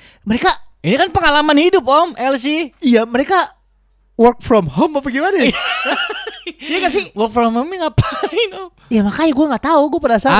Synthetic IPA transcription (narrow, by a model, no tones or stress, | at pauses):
məɾekainikanpəŋalamanhidʊp̚ɔmɛls̬iijaməɾeka | wərk̚fɾɔmhomapaɡimana | ijaŋas̬iwərk̚fɾɔmhomiŋapaɪnɔ | jamakajaɡuaŋɡaʔt̪auɡuapədasa